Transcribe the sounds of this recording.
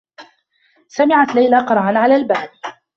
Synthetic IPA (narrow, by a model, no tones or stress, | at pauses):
samɪʕat̪lajlaqɑɾˤɑʕanʕalaːlbaːd